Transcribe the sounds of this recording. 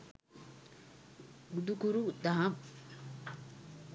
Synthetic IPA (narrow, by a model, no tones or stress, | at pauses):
ɡud̪ukuɾud̪aɦam